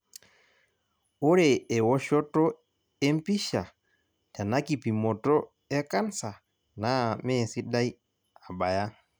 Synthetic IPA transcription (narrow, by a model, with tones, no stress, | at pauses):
o˦ɾɛ˨ɛ˨wɔ˦ʃɔ˦tɔ˦ | ɛ˦m˦pi˦ʃa˨ | ta˨na˦ki˨pi˨mɔ˨tɔ˦ | ɛ˦ka˦nsa˨ | na˨˦mɛ˦˨si˦da˦i˦ | a˨ba˨ja˦